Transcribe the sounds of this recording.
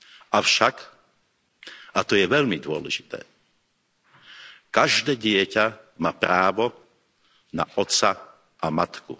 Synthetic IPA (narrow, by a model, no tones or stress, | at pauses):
afʃak | at̪ɔjɛʋɛʎmid̪ʊɔlɛ̰ʒit̪ɛ̰ː | kaʒd̪ɛːɟɪɛcamaːpɾaːʋɔ | na̰ʔɔt̪t͡sa | amat̪kṵ